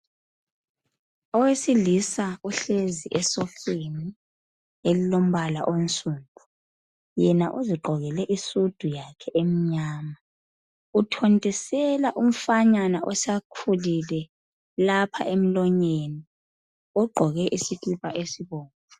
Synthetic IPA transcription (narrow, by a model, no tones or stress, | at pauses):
ɔwesilisauɬeziʔɛsɔfeni | elilom̩βala̰ʔont͡sʼuːndʰʱʼu | jɛnaʔuziɡ͡ǃʱɔɣɛlɛʔisud̥ʱujakʰɛʔem̩ɲaːma | utʰontʼisɛlaʔum̩faɲanaʔɔsakʰulilɛ | lapʰa̰ʔem̩lɔɲeni | ɔɡ͡ǃʱɔɣɛʔisitʰʼuβaʔesiβɔːnḁ